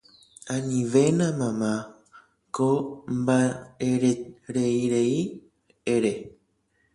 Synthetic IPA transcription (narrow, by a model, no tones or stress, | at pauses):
ãɲĩʋenãmãmã | kombaeɾeɾeiɾei | eɾe